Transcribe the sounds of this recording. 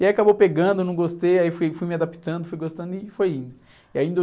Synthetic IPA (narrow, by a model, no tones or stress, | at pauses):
iaiakabowpeɡɐ̃nd̪ʊnɐ̃w̃ɡost̪ejaifujfujmiad̪api̥t̪ɐ̃nd̪ʊfujɡost̪ɐ̃nd̪ʊɪfojĩnd̪ʊ | iaĩnd̪o